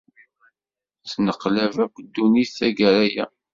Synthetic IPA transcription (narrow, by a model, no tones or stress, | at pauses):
θnəqːlævækʷːd̪ːuniθθæɡæɾæjæ̰